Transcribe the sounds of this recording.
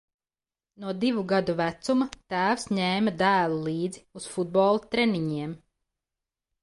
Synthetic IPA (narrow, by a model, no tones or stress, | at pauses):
nuɔd̪ivuɡad̪uvæt̪sumɐt̪æːwsɲɛːmad̪æːlˠulˠiːd̪ziusfud̪̚bɔːlˠat̪ɾɛniɲiɛm